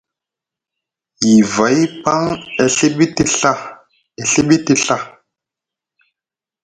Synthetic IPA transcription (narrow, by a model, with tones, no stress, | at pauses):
ji˨va˨˦jpa˦ŋɛ˨ɬe˦ɓi˦ti˦ɬa˦ | e˨ɬe˦ɓi˦ti˦ɬa˦